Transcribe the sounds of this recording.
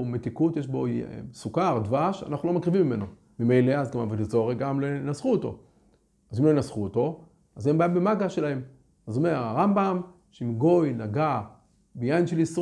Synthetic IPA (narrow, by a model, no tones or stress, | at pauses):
met̪ikut̪jeʃbo̞̰sukaʁd̪vaʃa̰naχnulo̞makʁivimːimeno | mimejleazɡamavotezo̞ʁeɡamlonasχuoto̞̰ | azimlojinasχuoto̞ | azembaimbemaɡaʃelahe̞m | azomeʁaʁambam | ʃeimɡo̞jnaɡa | bejainʃelis